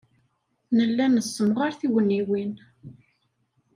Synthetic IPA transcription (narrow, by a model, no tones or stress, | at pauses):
nəlːænəsːəmʁaɾθiwənːiwin